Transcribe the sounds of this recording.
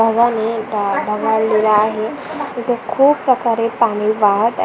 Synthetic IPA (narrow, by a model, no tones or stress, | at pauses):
bʱəɡanebʱəɡalilaːɦe | it̪əkʰuːbpɾəkaɾepaɽ̃iʋaɦət̪